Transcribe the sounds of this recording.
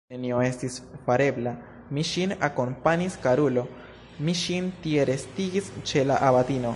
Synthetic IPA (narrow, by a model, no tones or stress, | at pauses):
enio̞e̞stisfaɾe̞bla | miʃinako̞mpaɲiskaɾulo̞ | miʃintie̞ɾe̞stiɡist͡ʃe̞laʔabatino̞